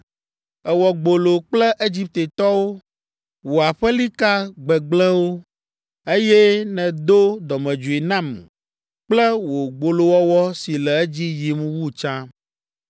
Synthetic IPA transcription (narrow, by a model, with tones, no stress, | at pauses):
ɛ˨wɔ˨ɡ͡bo˨lo˨k͡plɛ˦ʔe˦d͡ʑi˦p̚t̪e˨t̪ɔ˦wo˦ | wo˨a˨ɸɛ˦li˦ka˦ɡ͡bɛ˨ɡ͡blɛ̃˦wo˦ | e˦jɛ˦nɛ̃˨d̪o˦d̪ɔ˨mɛ̃˨d͡ʒu˨i˨nã˦˨m | k͡plɛ˦wo˨ɡ͡bo˨lo˨wɔ˦wɔ˦si˨lɛ˨ɛ˦d͡ʑi˦ji˨m˦wu˦t͡ʃã˦